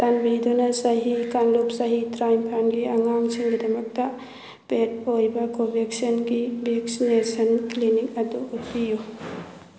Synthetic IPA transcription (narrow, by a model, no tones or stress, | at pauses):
t̪anbid̪unɐsɐɦikanlupsɐɦitɾajmpʰanɡiɐŋamsʰiŋɡid̪ɐmɐk̚t̪ɐ | pet̚ojbɐkobʱeksɐnɡibʱeksinesɐnklinikɐd̪uut̪iju